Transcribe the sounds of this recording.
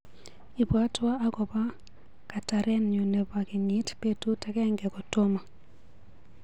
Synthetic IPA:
i˨bwa˦twa˦a˦kɔ˨ba˦ | ka˨ta˨ɾɛ˦nɲu˨nɛ˨ba˨ki˨ɲi˨˦tpe˦tu˦ta˨kɛ˦ŋɡɛ˨kɔ˨to˦ma˨

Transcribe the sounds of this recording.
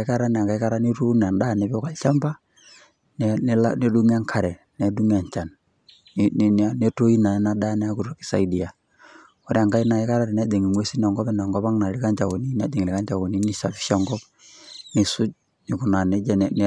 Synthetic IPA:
ka˦ɾa˦n˨a˨ka˨˦ka˦ɾa˦ni˦ɾu˦n˨a˨ndaː˦˨ne˨bka˨lt͡ʃa˦mba˦ | nɛ˦n˦la̰˦ne˦du˦ŋ˦a˦ŋkʰa˨ɾɛ˨ | nɛ˨˦du˦ŋ˦a˨ɲt͡ʃa˨n | n˨na˦ne˦to˦i˦na˨ɛ˦na˦daː˦nɛ˦a˦ku˨ro˨ki̥˨˦sa̰˨i˦di˨a˨ | ɔ˦ɾe˦a˨ŋɡa˦i˦na˨ɪ˦ka˦ɾa˦ɾɛ˨na˦de˨ŋi˨mwe˦si˦na˨ŋɡɔ˦pɛ˦na˨ŋɡɔ˦pa˦ŋna˨ɾi˦ka˦ɲt͡ʃa˨wo˨ni˦na˦de˨ŋi˨li˨ka˦ɲd͡ʒa˨wo˨ni˦ni˦sa˨˦pi̥˦ʃa˦ŋɡɔ˦p | ni˨su˦t͡ʃ̚ | ni˨ku˨na˨ne˦d͡ʒɛ˦n˨n˦

